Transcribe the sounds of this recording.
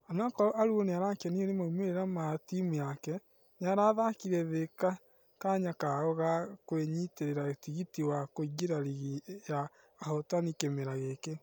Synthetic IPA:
anaakɔɔʔaɾuoneaɾakɛnionemaumeɾeɾamatimuakɛ | neaɾaðakiɾɛðeka | kaɲakaɔɣakweɲiteɾeɾatiɣitiwakoɣeɾaɾiɣijaː | hɔtanikemeɾaɣeke

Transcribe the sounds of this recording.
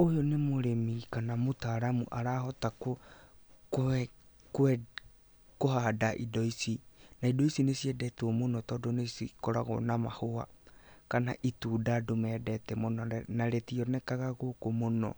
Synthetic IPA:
ojonemoɾemikanamotaɾamṵʔaɾaːhɔtako | kɛ | kɛ | koɦadaʔḭdɔisinaidɔisinesiɛdɛtuɔmonɔtɔːdɔnesikɔɾaɣɔ̰namahoa̰kanaʔituːdadomɛdɛtɛmonɔɛnaɾɛtiɔnɛkaɣaɣokomonɔ̰

